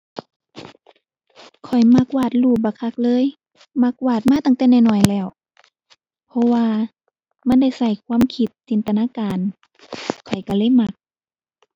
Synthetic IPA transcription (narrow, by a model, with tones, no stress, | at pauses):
kʰɔ˨˩jma˧˥k̚waː˧˩t̪̚luː˧˩baː˧˩kʰa˧˥k̚lɤː˧˥˨j | ma˧˥k̚waː˧˩t̪̚maː˧˥˨t̪a˧˨ŋt̪ɛː˧˩na˧˨nɔː˧˩˨jlɛː˧˩˨w | pʰɔ˧˥waː˧ | ma˧˥˨nda˧˩˨jsa˧˩jkʰwaː˧˥˨mkʰi˧˦t̪̚t͡ɕi˨nt̪a˧naː˧˥˨kaː˨n | kʰɔ˨˩jka˧˩lɤː˧˥˨jma˧˩k̚